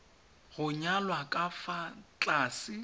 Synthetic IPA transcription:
ɣʊɲalwakʼafat͡ɬʼaːsɪ

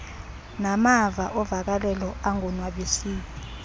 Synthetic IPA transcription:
namavaʔɔvak̬alɛlɔaŋɔnwaɓesiːki

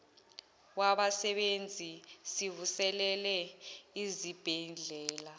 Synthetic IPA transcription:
waɓasɛɓend͡zʱisivusɛlɛlɛizib̥ʱɛnɮʱɛːla

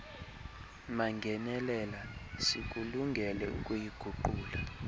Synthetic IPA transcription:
maŋɡʱɛnɛlɛlasik̬ʼuluŋɡʱɛlɛṵkʼujiɡ̥ʱuǃuːla

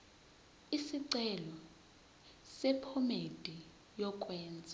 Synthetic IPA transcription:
isiǀɛlɔ | sɛpʰɔmed̥ʱi | jɔkʼwɛːnd͡zʱa

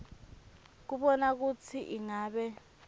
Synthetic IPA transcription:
k̬uɓɔnak̬ut͡sʰiʔiŋaːɓɛ

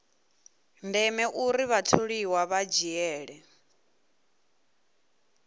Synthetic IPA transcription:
ndɛmɛʔuɾiβatʰoɺiwaβad͡ʒiɛːɺɛ

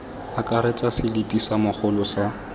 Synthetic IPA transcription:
akʼaɾet͡sʼasɪlɪpʼisamʊχʰʊlʊsa

